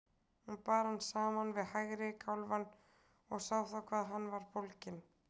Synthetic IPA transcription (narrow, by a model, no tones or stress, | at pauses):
hunpaːɾhansaːmanvɪðhajɣɾɪkʰawlvan | ɔɣsawθawkʰvaːðɦanːvaɾ̥powlcɪn